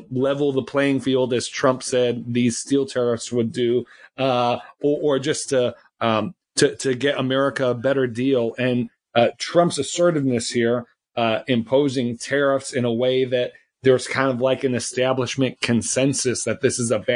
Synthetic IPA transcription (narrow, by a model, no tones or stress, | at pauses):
lɛvl̩ˠðəpʰl̥eɪɪ̃ŋfilˠdɨz̥tʰɹ̥ʌ̃mpsɛd̪̚ðiz̥stilˠtʰɛɹɨfswədɨʌəʔə˞d͡ʒʌstʰɨ | ʌ | tʰɨtʰɨɡɛɾəmɛɹɨkɨːbɛɾə˞dilˠɨ̃n | tʰɹ̥ʌ̃mpsɨsɜ˞ɾɨdⁿnɨshiɹ | ʌɪ̃mpʰoʊzɪ̃ŋtʰɛɹəfsɨ̃nəweɪðɨt̪̚ | ðə˞z̥kʰãɪ̃ndʌvlaɪkɨ̃nɨstæbləʃmɨ̃nkʰɨ̃nsɛ̃nsɨsðɨt̪̚ðɪsɨzəb